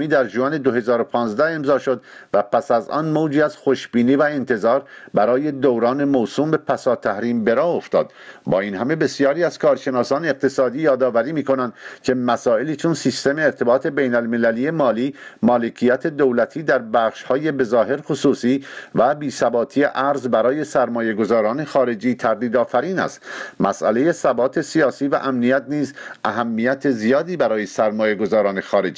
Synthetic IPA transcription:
iːd̪æɾʒuæne̞d̪oɦe̞zɒːɾopʰɒːnzd̪æe̞mzɒːʃo̞d̪væpæsæzɒ̰nmoːd͡ʒiːæz̥xo̞ʃbiːniːvæent̪ʰe̞zɒːɾbæɾɒːje̞d̪owɾɒːne̞moːsuːmbe̞pʰæsɒːt̪ʰːæhɾiːmbe̞ɾɒːo̞ft̪ɒ̰ːd̪̥ | bɒ̰ːinhæme̞be̞sijɒːɾiːæz̥kʰɒːɾʃe̞nɒːsɒːneːq̚t̪ʰe̞sɒːd̪iːjɒːd̪ɒːvæɾiːmiːko̞nænd̪̥cʰe̞mæsɒːe̞liːt͡ʃʰonsist̪e̞me̞ːɾt̪ʰe̞bɒːt̪ʰe̞bejnælme̞læliːje̞mɒːliːmɒːle̞cʰijæt̪ʰe̞d̪owlæt̪ʰiːd̪æɾbæːχʃhɒːje̞be̞zɒːɦe̞ɾxosuːsiːvæbiːsæbɒːt̪ʰie̞ʔæɾzbæɾɒːje̞sæɾmɒːje̞ɡo̞zɒːɾɒːne̞xɒːɾe̞d͡ʒiːt̪ʰæɾd̪iːd̪ɒːfæɾiːnæ̰st̪mʔæ̰sʔæ̰le̞je̞sæbɒːt̪ʰe̞sijɒːsiːvæ̰ʔæmnijæt̪̚niːzʔæɦæmːijæt̪ʰezijɒːd̪iːbæɾɒːje̞sæɾmɒːjeɡo̞zɒːɾɒːne̞xɒːɾe̞d͡ʒi

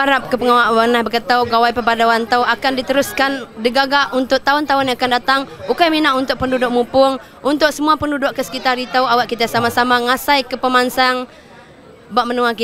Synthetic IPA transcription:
aɾap̚kəpəŋawaʔbənahbəkət̪awɡawajpəbadawant̪awakandit̪əɾʊskandəɡaɡaʔunt̪ʊʔt̪aʊnt̪aʊniakandat̪aŋukajminaʔunt̪ʊʔ̚pəndudʊʔ̚mupʊŋ | unt̪ʊk̚səmuapəndudʊʔkːəsə̥kit̪aɾit̪awawaʔkit̪̬asamasamaŋasajkəpəmansaŋ | baʔmənuaki

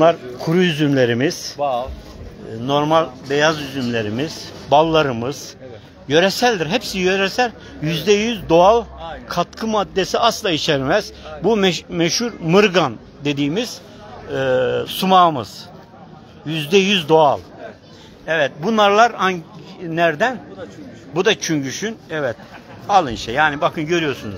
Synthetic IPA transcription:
unlˠaɾkʰuɾujyzymlʲe̞ɾimiz̥ | no̞ɾmalʲbejazyzymlʲe̞ɾimiz̥balˠːaɾɯmɯz̥ | jø̞ɾɛsælʲd̪iɾɦɛpsijøɾɛsælʲ | jyzd̪ɛjyzd̪o̞alˠkʰat̪kʰɯmad̪ːe̞siaslˠait͡ʃʰɛɾmɛz̥bummɛʃhuɾmɯɾɡan | d̪e̞d̪iːmiz̥ | sumaːmɯz̥ | jyzd̪ɛjyzd̪o̞alˠ | ɛvɛt̪̚bunaɾlˠaɾhaɲːæɾd̪æn | bud̪at͡ʃʰyɲɟyʃynɛvɛt̪̚alˠɯnʃɛjaːnibakʰɯnɟø̞ɾyjoɾsunuz̥

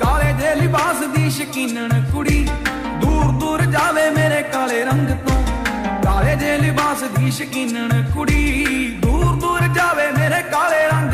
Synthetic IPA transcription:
kaːleːd͡ʒeːlɪbaːsd̪iːʃəkiːnəɳkʊɽiː | d̪uːɾd̪uːɾd͡ʒaːʋeːmeːɾeːkaːleːɾəŋɡt̪õːkaːleːd͡ʒeːlɪbaːsd̪iːʃəkiːnəɳkʊɽiːd̪uːɾd̪uːɾd͡ʒaːʋeːmeːɾeːkaːleːɾəŋɡ

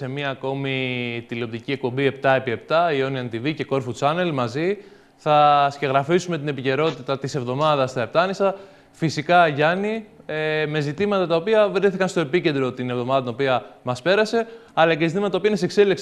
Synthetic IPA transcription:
se̞miɐːko̞mit̪ileo̞p̚t̪icie̞k̚po̞mbie̞pt̪ɐepie̞pt̪ɐio̞niɐnt̪ivice̞ko̞ɾfut͡sɐne̞lmɐzi | θɐsce̞ɣɾɐfisume̞t̪ine̞pice̞ɾo̞t̪it̪ɐt̪ise̞vðo̞mɐðɐst̪ɐe̞p̚t̪ɐnisɐ | fisikɐʝɐnieme̞zit̪imɐt̪ɐt̪ɐo̞piɐvɾiθikɐnst̪o̞e̞picend̪ɾot̪ine̞vðo̞mɐðɐt̪ino̞piɐmɐspe̞ɾɐse̞ɐlɐcesizit̪imɐt̪ɐt̪ɐopiɐneisekseleks

